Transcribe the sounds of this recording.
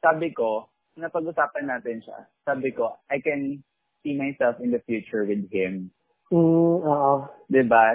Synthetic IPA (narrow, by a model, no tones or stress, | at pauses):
saːbɪko | nɐpɐɡʔʊsaːpɐnːaːt̪ɪnʃa̰ | saːbɪkoʔajkɛn | siːmajsɛlˠfɪnd̪ɐfjuːt͡ʃʊɹwɪd̪̚hɪ̃m | m̩oːʔod̪ɪba